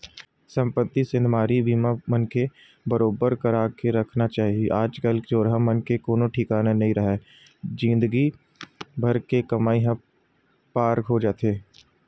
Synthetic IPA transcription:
sɐ̃mpət̪ːisɪ̃nmaːɾibʱiːmamənke | bəɾoːbəɾkəɾaːkeɾɐkʰnat͡ʃaːɦieʔaːd͡ʒkəld͡ʒoːɾɦamɐnkekoːnõʈʰɪkaːnanɐɦĩɾɐɦɛː | d͡ʒɪ̃nd̪əɡi | bʱɐɾkekɐmaːiɦã | paːɾkɦod͡ʒaːt̪eː

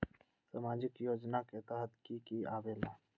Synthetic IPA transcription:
saːmaːd͡ʒɪkjoːd͡ʒnaket̪əɦət̪kikiaːʋeːla

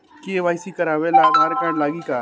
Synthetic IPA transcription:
kieʋaːjsikɐɾaːʋelabʱaɾekaːɾɖlaːɡikaː

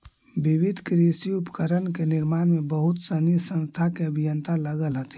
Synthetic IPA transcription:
biʋɪd̪ʱkɾisiupkəɾənkenɪɾmaːnmẽbəɦʊt̪sənisə̃nst̪ʰakeəbʱijənt̪ʰaləɡəlɦət̪

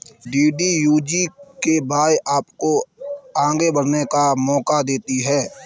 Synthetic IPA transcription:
ɖiːɖijuːd͡ʒikebaːjʔaːpkoãːŋɡebəɽnekamɔːkad̪eːt̪iɦɛː

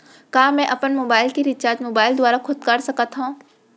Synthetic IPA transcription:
kaːmɛ̃ʔɐpənmoːbaːɪlkiɾɪtːʃaːt̪moːbaːɪld̪ʊaːɾakʰʊd̪̚kəɾsɐkat̪ɦũː

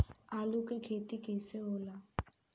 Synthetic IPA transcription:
alukʼekʰet̪ikʰeseʊːla

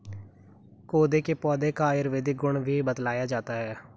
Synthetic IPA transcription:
koːd̪eːkeːpɔːd̪eːkaːjəɾʋeːd̪iːɡʊɳʋiːbət̪laːjaːd͡ʒaːt̪aːɦɛː

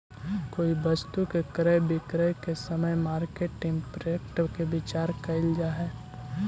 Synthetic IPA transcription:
koːibəst̪ukekɾəjbɪkɾəjkesəməjmaːɾkeʈːɪ̃ŋɡpɾjek̚ʈkebɪt͡ʃaːɾkəɪld͡ʒaːɦɛː

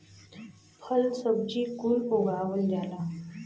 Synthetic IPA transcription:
pʰəlsəb̚d͡ʑiːkuloɡɭaʋəld͡ʑala

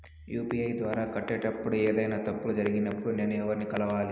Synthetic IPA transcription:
juːpiːɐjd̪ʋaːɾaːkɐʈːeːʈɐpːuɽueːd̪ɐjnaːt̪ɐpːulud͡ʒɐɾiɡinɐpːuɽune̞ːnːuɛʋːɐɾnikɐlɐʋaːli

